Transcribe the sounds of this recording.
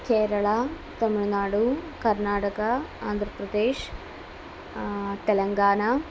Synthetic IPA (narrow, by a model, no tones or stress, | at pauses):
keːɾɐɭa | t̪ɐmiɭnaːɽukɐɾnaːʈɐkɐaːnd̪ʱɾɐpɾɐd̪eːʂ | t̪ɛlɐŋɡaːna